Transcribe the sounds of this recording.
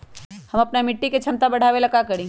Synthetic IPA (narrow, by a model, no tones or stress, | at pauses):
hɐmɐpnamɪʈːiket͡ʃʰɐmt̪abɐɽ̤ʱaːʋelɐkakɐɾẽː